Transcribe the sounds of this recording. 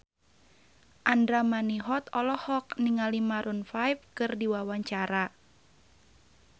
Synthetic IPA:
ʔandɾamaniɦɔt̪ɔlɔhɔk̚niŋalimaɾunfajp̚kɨrdiwawaɲt͡ʃaɾa

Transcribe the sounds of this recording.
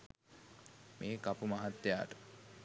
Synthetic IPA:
mʔeːkapumaɦat̪ːeja̰ːʈə̥

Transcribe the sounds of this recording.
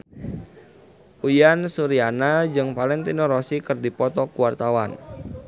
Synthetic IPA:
ʔujansuɾianad͡ʒɨŋpalɪŋt̪inɔɾɔsikɨrdipɔt̪ɔkuwart̪awa̰n

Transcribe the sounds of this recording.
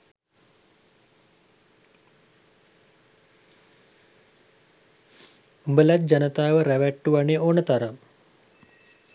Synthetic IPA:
umbəlat̪̚d͡ʒanət̪aːʋəɾæʋæʈːuʋaneonət̪aɾam

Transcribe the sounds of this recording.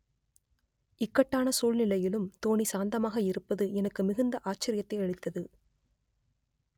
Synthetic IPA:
ɪkːɐʈːaːnɐsuːlnɪlɐjɪlɯmt̪oːɳisaːnd̪ɐmaːɣɐɪɾɯpːɐðɯʔɛnɐkːɯmɪɣɯnd̪ɐʔaːt͡ʃːɪɾɪjɐt̪ːɐɪɛɻɯt̪ːɐðɯ

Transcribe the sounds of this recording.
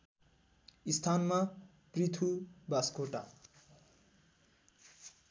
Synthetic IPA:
ist̪ʰanma | prit̪ʰubaskoʈa̰

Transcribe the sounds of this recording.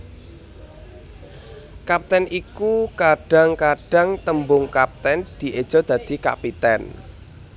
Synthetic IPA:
kap̚t̪ɛnʔikukaɖ̥ä̤ŋkaɖ̥ä̤ŋt̪əmbʊŋkap̚t̪ɛnd̪̥i̤ʔed̥ʒ̥ɔ̤d̪̥ä̤d̪̥i̤ka̰pit̪ɛ̰n

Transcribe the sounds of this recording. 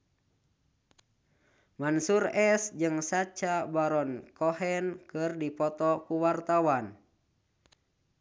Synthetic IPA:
mansurɛsd͡ʒɨŋsat͡ʃabaɾɔnkɔhɛnkɨrdipɔt̪ɔkuwart̪awan

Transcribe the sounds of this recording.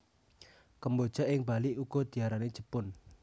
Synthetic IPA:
kəmbod̥ʒ̥a̤ʔɪŋbaliʔuɡ̥ɔd̪̥i̤aɾane̥ʒ̥əpʊn

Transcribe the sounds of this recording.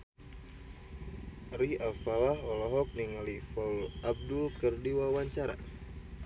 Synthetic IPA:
riʔalfalaɦɔlɔɦɔk̚niŋalifalab̚dʊlkərdiwawaɲt͡ʃaɾa̰

